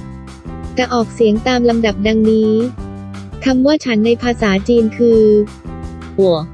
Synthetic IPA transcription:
t͡ɕa˧˩ʔɔː˨˩k̚si˩˦əŋt̪aː˧mla˧mda˨˩p̚da˧ŋniː˦˥ | kʰa˧mwaː˥˩t͡ɕʰa˦˥nːa˧jpʰaː˧saː˩˦t͡ɕiː˧nkʰɯː˧ | hu˨˩˦ə

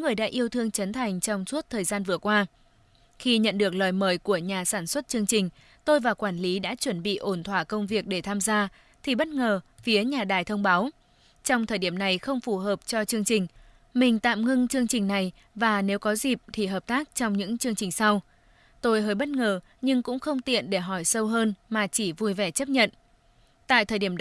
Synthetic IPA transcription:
ŋɨ˨˩əjɗa̰ː˧˥ʔi˧əwt̪ʰɨ˧əŋt͡ɕə˨˦nt̪ʰa˨˩jŋ̟t͡ɕɔ˧wŋ͡msu˦˥ət̚t̪ʰəː˨˩jzaː˧nvɨ˨˩əkwaː˧ | xi˧ɲə̰˧˨nɗɨ˨˩ək̚ləː˨˩jməː˨˩jku˧˩əɲaː˨˩saː˧˩nswə˦˥t̚t͡ɕɨ˧əŋt͡ɕï˨˩ŋ̟ | t̪o˧jvaː˨˩wkwaː˧˩nli˨˦ɗa̰ː˧˥t͡ɕwə˧˩nɓḭ˧˨ʔo˧˩nt̪ʰwaː˧˩kə˧wŋ͡mvi˨˩ək̚ɗe˧˩t̪ʰaː˧mzaː˧ | t̪ʰi˨˩ɓə˦˥t̚ŋəː˨˩fi˨˦əɲaː˨˩ɗaː˨˩jt̪ʰə˧wŋ͡mɓaː˨˦w | t͡ɕɔ˧wŋ͡mt̪ʰəː˨˩jɗi˧˩əmna˨˩jxə˧wŋ͡mfu˧˩ɦəː˨˩p̚t͡ɕɔ˧t͡ɕɨ˧əŋt͡ɕï˨˩ŋ̟ | mï˨˩ŋ̟t̪a̰ː˧˨mŋɨ˧ŋt͡ɕɨ˧əŋt͡ɕï˨˩ŋ̟na˨˩j | vaː˨˩ne˨˦wkɔ˨˦zi˨˩p̚t̪ʰi˨˩ɦəː˨˩p̚t̪aː˦˥k̚t͡ɕɔ˧wŋ͡mɲɨ̰˧˥ŋt͡ɕɨ˧əŋt͡ɕï˨˩ŋ̟sa˧w | t̪o˧jɦəː˨˦˩jɓə˦˥t̚ŋəː˨˩ | ɲɨ˧ŋkʊ̰˧˥ŋ͡mxə˧wŋ͡mt̪ḭ˧˨ənɗe˧˩ɦɔ˧˩jsə˧wɦəː˧nmaː˨˩t͡ɕi˧˩vu˧jvɛ˨˩t͡ɕə˦˥p̚ɲə̰˧˨n | t̪a̰ː˧˨jt̪ʰəː˨˩jɗi˧˩əm

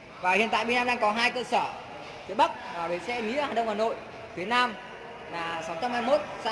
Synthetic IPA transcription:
vaː˨˩hḭ˨˧˨nt̪a̰ː˧˨jɓnaː˧mɗaː˧ŋkɔ˨˦ɦaː˧jt̪əː˧səː˧˩ | zi˨˦əɓə˦˥k̚maː˨˩ve˨˦sɛ̰˧nḭ˧˥əhaː˨˩nɗə˧wŋ͡mhaː˨˩no̰˧˨j | fi˨˦naː˧m | laː˨˩sa˨˦wt͡ɕa˧mhaː˧jmo˦˥t̚sa˧

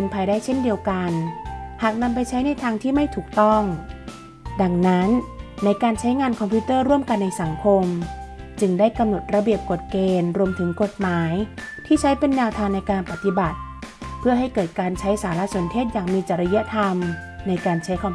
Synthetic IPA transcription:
ɯ˧npʰaː˧jdaː˥˩jt͡ɕʰe˥˩ndi˧əwka˧nhaː˨˩k̚na˧mp̬a˧jt͡ɕʰa˦˥jna˧jt̪ʰaː˧ŋt̪ʰiː˥˩ma˥˩jt̪ʰuː˨˩k̚t̪ɔ˥˩ŋ | da˧ŋna˦˥nːa˧jkaː˧nt͡ɕʰa˦˥jŋaː˧nkʰɔ˧mpʰiː˦˥t̪ɤː˥˩ɾu˥˩əmka˧nːa˧jsa˩˦ŋkʰo˧mt͡ɕɯ˧ŋdaː˥˩jka˧mno˨˩t̪̚ɾa˧bi˨˩əp̚ko˨˩t̪̚keː˧nɾu˧əmt̪ʰɯ˩˦ŋko˨˩t̪̚maː˩˦j | t̪ʰiː˥˩t͡ɕʰa˦˥jpe˧nːɛː˧wt̪ʰaː˧nːa˧jkaː˧npa˨˩t̪i˧ba˨˩t̪̚ | pʰɯ˥˩ɐɦa˥˩jkɤː˨˩t̪̚kaː˧nt͡ɕʰa˦˥jsaː˩˦la˦˥su˨˩˦ənt̪ʰeː˥˩t̪̚jaː˨˩ŋmiː˧t͡ɕa˨˩ɾa˧ja˦˥t̪ʰa˧m | na˧jkaː˧nt͡ɕʰa˦˥jkʰɔ˧m

